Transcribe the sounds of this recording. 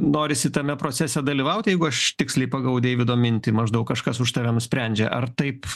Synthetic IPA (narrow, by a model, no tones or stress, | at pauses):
noːɾʲɪsʲɪt̪ɐmʲɛpɾoːt͡sʲæsʲɛd̪ɐlʲiːʋɐʊt̪ʲjɛɪɡʊɐʃt̪ʲɪksʲlʲɛɪpɐɡɐʊd̪ʲeːjʋʲɪd̪oːmʲɪnʲt̪ʲɪmɐʒd̪ɐʊkkɐʃkɐsʊʃt̪ɐːʋʲɛnʊsʲpʲɾʲɛnʲd͡ʒʲɛʔɐrt̪ɐɪp